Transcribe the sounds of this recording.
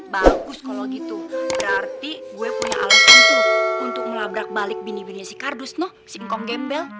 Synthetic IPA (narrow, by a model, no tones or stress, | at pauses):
baɡʊskaloɡit̪ubəɾart̪iɡuɛpuɲaʔa̰lasant̪uunt̪ʊk̚məlabɾak̚balɪk̚binibiniasikardʊsnɔhsiŋkɔŋɡɛmbɛl